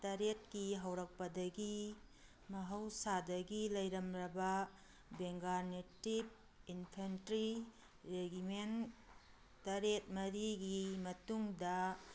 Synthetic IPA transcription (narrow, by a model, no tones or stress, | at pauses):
tɐɾet̚kiɦɐwɾɐk̚pɐdɐɡi | mɐɦɐwsadɐɡilɐjɾɐmɾɐbɐ | beŋɡaɾnetib̚ | inpʰentɾi | ɾeɡimen | tɐɾet̚mɐɾiɡimɐtuŋdɐ